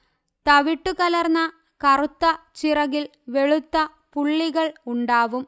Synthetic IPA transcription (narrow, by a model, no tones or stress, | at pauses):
t̪ɐʋiʈːukɐlɐrnːɐ | kɐrut̪ːɐt͡ɕirɐɣil | ʋe̞ɭut̪ːɐ | puɭːiɣɐɭuɳɖaːʋum